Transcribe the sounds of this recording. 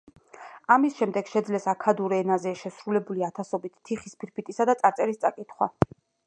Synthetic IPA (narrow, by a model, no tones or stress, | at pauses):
amisʃɛmd̪ɛɡ̥ʃɛd̪zlɛsakʰad̪uɾɛnazɛʃɛsɾulɛbuliat̪ʰasɔbit̪ːʰiχispʰiɾpit̪ʼisad̪at̪sʼaɾt̪sʼɛɾist̪sʼakʼit̪ʰχwa̰